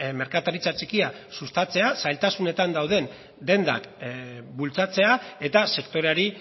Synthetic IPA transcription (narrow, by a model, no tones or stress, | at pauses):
me̞ɾkat̪aɾit͡sat͡ʃikiasust̪at͡se̞asajlt̪asune̞t̪and̪awð̞e̞n | d̪e̞nd̪a̰kbult͡sat͡se̞ae̞t̪ase̞kt̪o̞ɾe̞aɾi